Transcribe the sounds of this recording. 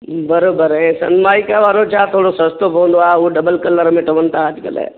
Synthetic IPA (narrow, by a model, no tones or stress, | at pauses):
bəɾoːbəɾɦɛ̃sɐ̰nmaːɪkaʋaːɾot͡ʃat̪ʰoːɽosəst̪opõːnd̪oaoɖəbəlkəlːəɾmẽʈɐʋənt̪aad͡ʒɡə̰lḛː